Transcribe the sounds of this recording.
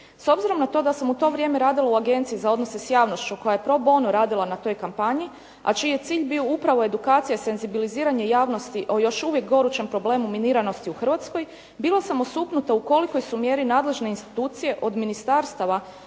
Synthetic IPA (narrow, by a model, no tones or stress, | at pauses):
so̞bziɾo̞mnat̪o̞ːd̪asamut̪o̞ːʋɾʲje̞meɾaːd̪ilˠauaɡe̞nt̪siizao̞d̪nose̞sjaːʋno̞st͡ʃuko̞jajepɾo̞bo̞nuɾaːd̪ilˠanat̪o̞jkampaɲi | a̰t͡ʃiːje̞t̪siːʎbioupɾaʋo̞e̞d̪ukaːt̪sijaise̞nzibiliziːɾaɲe̞jaːʋno̞st̪iʔo̞jo̞ʃuʋje̞k̚ɡo̞ɾut͡ʃe̞mpɾo̞ble̞ːmuminiːɾano̞st̪iuxr̩ʋat̪sko̞j | biːlˠasamo̞suːpnut̪auko̞liko̞jsumje̞ɾinaːd̪le̞ʒne̞inst̪i̥t̪uːt̪sije̞ʔo̞d̪minist̪aɾst̪aʋa